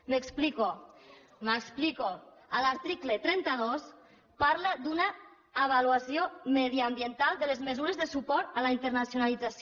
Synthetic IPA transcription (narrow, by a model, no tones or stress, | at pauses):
mekspliko | mekspliko | əlaɾt̪ɾiklet̪ɾɛnt̪aðos | paɾlad̪unaː | β̞aluasjomeðiambjent̪alˠd̪əlezmezuɾezðesupɔɾt̪alaint̪əɾnasjunalid͡zas